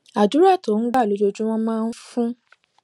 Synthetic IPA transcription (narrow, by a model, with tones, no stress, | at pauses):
a˨d͡ʒu˨˦ɾa˦˨to˨˦˨n̩˦ɡ͡ba˦˨lo˨˦d͡ʒo˧d͡ʒũ˦w̃ɔ̃˦mãː˦˧n̩˦fũ˦